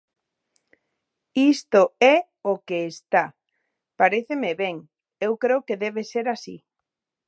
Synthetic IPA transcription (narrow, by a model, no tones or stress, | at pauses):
ist̪oɛ | okeːst̪a | paɾeθemeβeŋ | ewkɾeokeðɛβeseɾasḭ